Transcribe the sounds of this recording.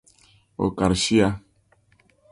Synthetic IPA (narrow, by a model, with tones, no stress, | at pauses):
o̰˨ka˨ɾʃi˦a˦